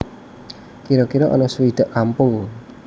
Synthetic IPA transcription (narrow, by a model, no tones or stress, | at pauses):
kiɾɔkiɾɔʔɔ̰nɔsuwid̪̥ə̤ʔkampʊŋ